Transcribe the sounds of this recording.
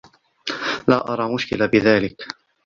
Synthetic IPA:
laːʔɑɾˤɑːmʊʃkɪlabɪðaːlɪk

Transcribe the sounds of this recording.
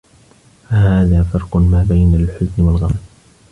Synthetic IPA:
fahaːðaːfɑɾˤqʊmaːbajnalħʊznwalɣamad

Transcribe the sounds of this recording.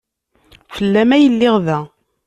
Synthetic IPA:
fəlːæmæjəlːɪʁðæ

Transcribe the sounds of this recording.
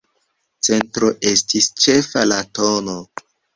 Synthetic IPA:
t͡se̞ntɾoʔe̞stist͡ʃe̞falatono

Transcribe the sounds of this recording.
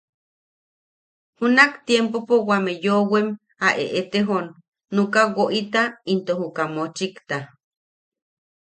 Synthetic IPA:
hunakt̪jempopowamejowem | aʔḛʔet̪eɦonː | ukawoʔit̪aint̪ohukamot͡ʃikt̪a

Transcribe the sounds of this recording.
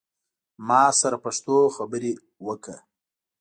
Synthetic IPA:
mɑsaɾapaʂt̪oxabəɾe | wəkə̰

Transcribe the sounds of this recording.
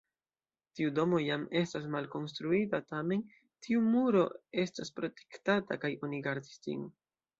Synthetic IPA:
tiudo̞mo̞jame̞stas̬malko̞nstɾuitatame̞n | tʰiumuɾo̞̰e̞staspɾo̞te̞̥ktatakajo̞niɡaɾdisd͡ʒḭn

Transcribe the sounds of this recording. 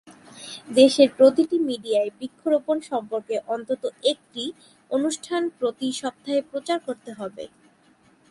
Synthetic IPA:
d̪eʃeɾpɾot̪iʈimiɖiaebikʰːoɾoponʃɔmpoɾkeʔɔnt̪ot̪oek̚ʈi | onuʃʈʰanpɾot̪iʃɔb̚t̪ʰːaɦepɾot͡ɕaɾkoɾt̪eɦɔbḛ

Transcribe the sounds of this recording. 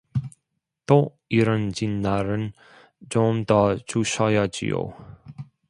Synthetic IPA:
t̪o | iɾʌnd͡ʑinːaɾɯn | d͡ʑomd̪ʌt͡ɕuɕʌjʌd͡ʑḭjo̰

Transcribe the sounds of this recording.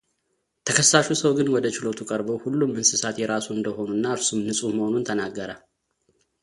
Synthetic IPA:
t̪ʰəkʰəsːaʃusəwɡɨnwɔd̪ət͡ʃɪlo̞t̪ʰukʼəɾbowhulːumːɨnsɨsat̪jɛɾasuɨnd̪əɦo̞nunːaɨɾsumnɨsʼuməho̞nunt̪ʰənaɡːəɾa

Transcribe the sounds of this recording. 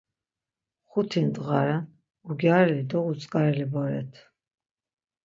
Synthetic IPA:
χut̪ʰind̪ʼʁaɾan | uɡjaɾɛlid̪ɔʁut͡sʼkʼaɾɛlibɔɾɛ̰t̪ʰ

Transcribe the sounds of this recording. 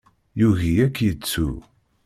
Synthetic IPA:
juʝijækːjət͡sːṵ

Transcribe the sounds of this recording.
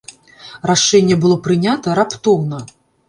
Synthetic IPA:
ɾaʂɛnʲːɛbɨlˠɔpɾɨnʲat̪ɐɾapt̪ɔwnɐ

